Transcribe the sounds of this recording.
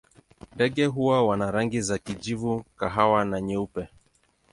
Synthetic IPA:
ndɛɠɛɦuwawanaɾaŋɡizakid͡ʒivukaɦawanaɲɛupɛ

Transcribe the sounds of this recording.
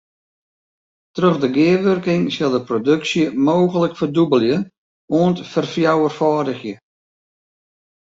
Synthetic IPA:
tərɵɣdəɡɪəʋɵrkɪŋsɪlˠdəprodɵksjəmoːɣələkfərdubəlˠjə | oəntfərfjawərfaːdəxjə

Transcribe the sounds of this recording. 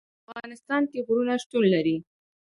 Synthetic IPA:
afɣɑnɪst̪ɑnkeɣɾunaʃʈ̪unlaɾi

